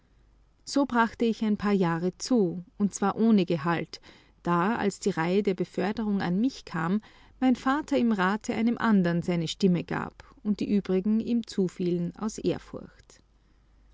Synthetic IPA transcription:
z̥oːbʁaχtəɪçaɪnpʰaːɐjaːʁət͡suːʊntt͡sv̥aːɐʔoːnəɡəɦalt | d̥aːa̰lsd̥iːʁaɪədeːɐbəfœɐdəʁ̞ʊŋa̰nmɪçkʰaːmː | aɪnfaːtʰɐɪmʁaːtʰəʔa̰ɪnəmʔandɐnzaɪnəʃtɪməɡ̥a̰ːp | ʊnt̚d̥iːʔyːbʁɪɡŋ̩iːmt͡suːfiːləna̰ʊsʔeːɐfʊ̰ɐçt

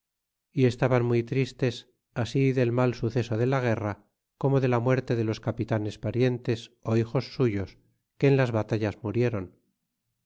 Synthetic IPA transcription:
ie̞st̪aβanmujt̪ɾist̪e̞s | asiðe̞lmalsuθe̞so̞ðe̞laɣ̞e̞ra | ko̞mo̞ðe̞lamwe̞ɾt̪e̞ðe̞lo̞skapit̪ane̞spaɾje̞nt̪e̞so̞ixo̞sːuʝo̞s | ke̞ːnlazβat̪aʎazmuɾje̞ɾo̞n

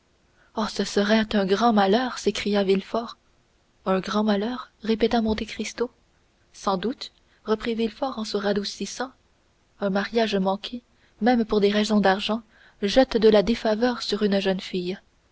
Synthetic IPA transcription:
ɔsəsəʁɛt̪ɛ̃ɡʁɑ̃malœːʁsekχijavilfɔːʁ | œ̃ɡʁɑ̃malœːʁʁepet̪amɔ̃t̪ekχist̪o | sɑ̃d̪ut̪ | ʁəpχivilfɔʁɑ̃səʁad̪usisɑ̃ | ɛ̃maʁjaʒmɑ̃kʲʰe | mɛmpuʁd̪eʁɛzɔ̃d̪aʁʒɑ̃ | ʒɛt̪d̪əlad̪efavœːʁsyʁynʒœnfij

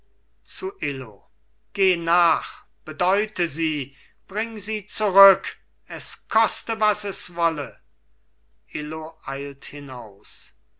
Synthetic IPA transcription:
t͡suʔɪlo̰ | ɡ̥eːnaːχ | b̥ədɔʏtəziː | b̥ʁɪŋziːt͡suʁʏk | ɛskʰɔstəvasɛsvɔlə | ʔɪloʔaɪlthɪnaʊs

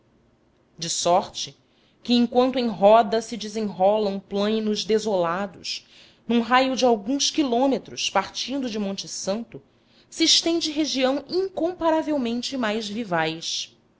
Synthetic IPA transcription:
d͡ʒɪsɔɾt͡ʃɪ | kɪẽŋkwɐ̃nt̪ʊẽj̃ɦɔd̪ɐsɪd͡ʒɪzẽj̃ɦɔlɐ̃w̃plɐ̃jnʊʒd̪ezolad̪ʊ̰ʃ | nũɦajʊd͡ʒɪawɡũskilõmet̪ɾʊʃpaɾt͡ʃĩnd̪ʊd͡ʒɪmõnt͡ʃɪsɐ̃nt̪ʊ | sɪːʃt̪ẽnd͡ʒɪɦeʒiɐ̃w̃ĩŋkõmpaɾavewmẽnt͡ʃɪmajzvivajʃ

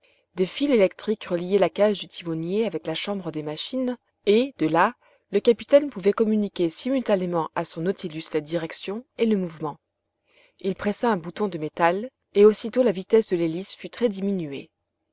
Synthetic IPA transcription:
d̪efilelɛk̚t̪χikʁəlijɛlakaʒd̪yt̪ʰimɔnjeavɛklaʃɑ̃bʁəd̪emaʃin | ed̪əla | ləkapi̥t̪ɛnpuvɛkɔmynikʲesimylt̪anemɑ̃asɔ̃nɔt̪ʰilyslad̪iʁɛksjɔ̃eləmuvmɑ̃ | ilpχɛsaɛ̃but̪ɔ̃d̪əmet̪al | eosit̪olavit̪ɛsd̪əlelisfyt̪χɛd̪iminyḛ

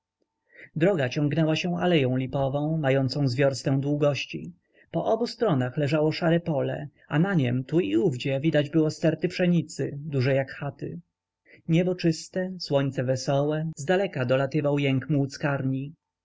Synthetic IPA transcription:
d̪ɾɔɡat͡ɕɔ̃ŋɡnɛwaɕɛalɛjɔ̃w̃lʲipɔvɔ̃w̃majɔnt̪sɔ̃w̃zvʲjɔɾst̪ɛ̃w̃d̪wuɡɔɕt͡ɕḭ | pɔʔɔbust̪ɾɔnaxlɛʐawɔʂaɾɛpɔlɛ̰ | a̰naɲɛmt̪uiuvd͡ʑɛvʲid̪ad͡ʑbɘwɔst̪ɛɾt̪ɘpʂɛɲit̪sɘd̪uʐɛjakxat̪ɪ̰ | ɲɛbɔt͡ʂɘst̪ɛswɔɲt̪sɛvɛsɔwɛzd̪alɛkad̪ɔlat̪ɘvawjɛŋkmuwt̪skaɾɲi

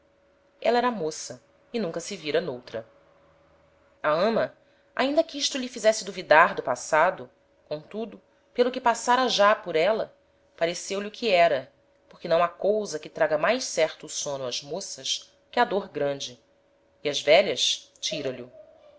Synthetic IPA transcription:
ɛlɐɛɾɐamosɐ | ɪnũŋkɐsɪviɾɐnowt̪ɾɐ | aɐ̃mɐ | a̰ĩnd̪ɐkɪiʃt̪ʊʎɪfizɛsɪd̪uvid̪aɾd̪ʊpasad̪ʊ | kõt̪ud̪ʊ | pelˠʊkɪpasaɾɐʒapʊɾɛlɐ | paɾesewlɪʊkʰɪɛɾɐ | poχkɪnɐ̃w̃akowzɐkɪt̪ɾaɡɐmajssɛɾt̪ʊːsõnʊɐz̥mosɐʃ | kʲɪɐd̪oɾɡɾɐ̃d͡ʒɪ | iɐzvɛʎɐst͡ʃiɾɐlʊ

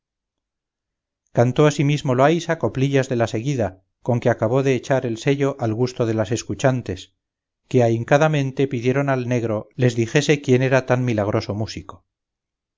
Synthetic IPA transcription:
kant̪o̞asimizmo̞loajsako̞pliʎazðe̞lase̞ɣiða | ko̞ŋke̞akaβo̞ðe̞ːt͡ʃaɾe̞lse̞ʎoʔalɣust̪o̞ð̞e̞lase̞skut͡ʃant̪e̞s | ke̞aiŋkaðamẽ̞nt̪e̞piðje̞ɾonalne̞ɣɾole̞zðixe̞se̞kje̞ne̞ɾat̪anmilaɣ̞ɾʔo̞so̞musiko

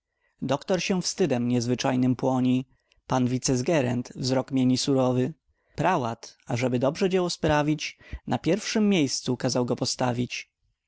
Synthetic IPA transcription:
d̪ɔkt̪ɔɾɕɛfst̪ɘd̪ɛmɲɛzvɘt͡ʂajnɘmpwɔɲi | panvʲit̪sɛzɡɛɾɛnt̪vzɾɔkmʲeɲisuɾɔvɘ | pɾawat̪aʐɛbɘd̪ɔbʐɛd͡ʑɛwɔspɾavʲit͡ɕnʔapʲjɛɾfʂɘmːʲjejst̪sukazawɡɔpɔst̪avʲit͡ɕ

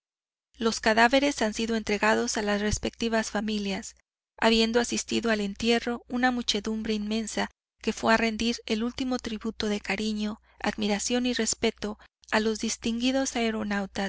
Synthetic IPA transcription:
lo̞skaðaβe̞ɾe̞sansiðo̞e̞nt̪ɾe̞ɣaðo̞salasre̞spe̞k̚t̪iβasfamiljas | aβje̞nd̪oasist̪iðo̞ale̞nt̪je̞ro̞unamut͡ʃe̞ðumbɾe̞inmẽ̞nsa | ke̞fweare̞nd̪iɾe̞lult̪imo̞t̪ɾiβut̪o̞ðe̞kaɾiɲo̞ | a̰ðmiɾasjo̞nire̞spe̞t̪o̞alo̞zðist̪iŋɡiðo̞saeɾo̞nawt̪as

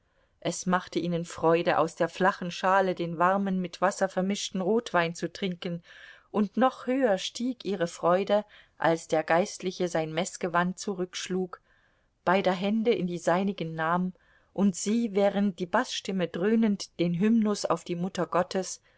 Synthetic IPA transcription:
ʔɛsmaχtəʔiːnənfʁ̥ɔʏdəʔa̰ʊsd̥eːɐflaχn̩ʃaːlədeːnvaʁmənmɪtv̥asɐfɛɐmɪʃtn̩ʁoːtv̥aɪnt͡sutʁ̥ɪŋkən̩ | ʔʊntnɔχhøːɐʃtiːkʔiːʁ̞əfʁ̥ɔʏdə | ʔa̰lsd̥eːɐɡaɪstlɪçəzaɪnmɛsɡ̥əvant̚t͡suʁʏkʃluːk | b̥aɪdɐɦɛndəʔɪ̰ndiːzaɪnɪɡən̩ːaːmən | ʔʊntz̥iːvɛːʁənt̚d̥iːbasʃtɪmədʁøːnəntd̥eːnɦʏmnʊsa̰ʊfd̥iːmʊtɐɡɔtʰəs

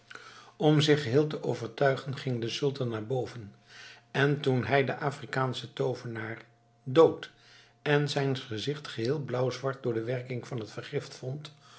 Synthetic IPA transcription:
ɔmzɪχɦɪːlˠtəʔowvəɹtœɥχənχɪŋdəsɵlˠtɑnːaːɹbowvən | ɛntunɦɛjdəʔaːfrikaːnsətowvənaːɹ | dowt | ɛnzɛjnχəzɪχtχəɦɪːlˠblʌwzʋɑɹt̚dʊːɹdəʋɛɹkɪŋv̥ɑnɦətfəɹχɪftfɔnt

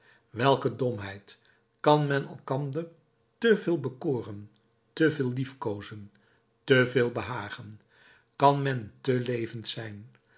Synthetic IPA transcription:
ʋɛlˠkədɔmɦɛjt | kɑnmɛnɑ̰lˠkɑndər | təvɪːlˠbəkʊːrən | təvɪːlˠlifkowzən | təveːlˠbəɦaːχən | kɑnmɛntəlejvəntsɛjn

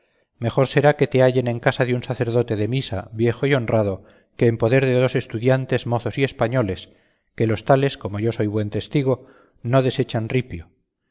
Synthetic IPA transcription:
me̞χo̞ɾse̞ɾake̞t̪eaʝe̞ne̞ŋkasaðeunsaθe̞ɾð̞o̞t̪e̞ðe̞misa̰βje̞xoio̞nrað̞o̞ | ke̞ːmpo̞ðe̞ɾðeðose̞st̪uðjant̪e̞zmo̞θo̞sie̞spaɲo̞le̞s | kelo̞st̪ale̞sko̞moʝoso̞jβwe̞nt̪e̞st̪iɣ̞o̞ | no̞ð̞e̞se̞t͡ʃanripjo

